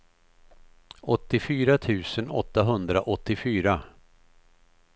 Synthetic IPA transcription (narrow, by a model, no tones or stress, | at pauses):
ɔt̪ːɪfyːɾat̪ʰʉ̟ːsənɔ̰t̪ːaɦɵnd̪ɾaʔɔt̪ːɪfyːɾa